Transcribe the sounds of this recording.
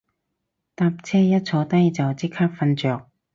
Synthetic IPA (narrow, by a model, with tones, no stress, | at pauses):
t̪aː˧p̚t͡sʰɛː˥jɐ˥t̚t͡sʰɔː˨˧˥t̪ɐ˥jt͡sɐ˨˩wt͡siː˥kʰaː˥p̚fɐ˧nt͡ʃœː˨k̚